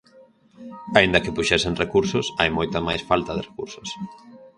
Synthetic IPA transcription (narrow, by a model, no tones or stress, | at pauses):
aind̪ɐkɪpuʃɛseŋrekuɾsʊsajmojt̪amajsfalt̪ɐðɪrekuɾsʊ̥s